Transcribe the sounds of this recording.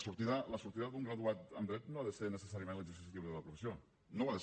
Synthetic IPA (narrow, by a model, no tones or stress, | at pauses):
suɾt̪iðələsuɾt̪iðəd̪uŋɡɾəðuat̪ə̰md̪ɾɛt̪noaðəsenəsəsaɾiəmẽnləzəɾs̬is̬it̪iwəðələpɾufəsio | noaðə